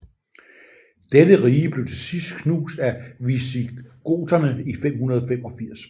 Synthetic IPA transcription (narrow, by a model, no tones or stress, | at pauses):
d̥edəʁiːəb̥le̝ʊt͡sʰe̝sisd̥kʰnuːsd̥æʋisiɡ̥o̝̰ːt͡sɐnəifem̰hunɐð̞ˠɒ̽fem̰ɒ̽fiɐ̰s